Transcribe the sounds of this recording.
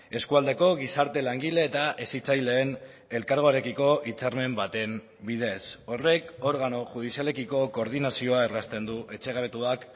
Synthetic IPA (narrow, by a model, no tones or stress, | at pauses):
e̞skuald̪e̞ko̞ɣ̞isaɾt̪e̞laŋɡile̞ːt̪aʔesit͡sajle̞ːn | e̞lkaɾɣo̞aɾe̞kiko̞ʔit͡saɾme̞mbat̪e̞m | biðe̞so̞re̞ko̞ɾɣano̞ʝuð̞isiale̞kiko̞ko̞ːɾð̞inasio̞aerast̪e̞nd̪uʔe̞t͡ʃe̞ɣaβe̞t̪uak